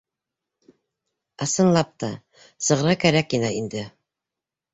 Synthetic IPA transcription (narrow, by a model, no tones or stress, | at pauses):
ɑsɤ̆nlˠɑp̚t̪ɑ | sɤ̆ʁɾɑkæɾækːinæind̪ɘ